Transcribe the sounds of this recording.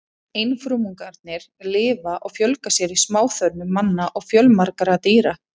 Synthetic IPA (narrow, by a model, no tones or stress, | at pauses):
ejnfɾuːmuŋkaɾt̪̚nɪɾ̥lɪːvaʔɔɣfjœlkasjɛɾismaːwθœɾnʏmːanːaʔɔɣfjœlmaɾkaɾat̪iːɾa